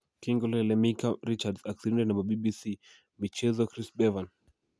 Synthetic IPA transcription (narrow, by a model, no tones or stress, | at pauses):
kiŋɡɔlɛlɛmikaɾit͡ʃadzaksiɾindɛnamabibisi | mit͡ʃɛzɔkɾisbɛvan